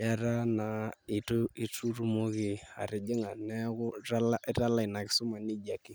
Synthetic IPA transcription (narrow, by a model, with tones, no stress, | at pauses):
ja˦ɾa˦na˨ɪ˨ti˦tu˦ru˦mo˦kɪ˨a̰˨ɾɪ˨d͡ʒɪ˦ŋa˨nɛ˦kʊ˦ra˦la˦ɪ˦ɾa˦la˦ɪ˨na˨kɪ˨˦sʊ˦ma˨ni˦d͡ʒa˨kɪ˦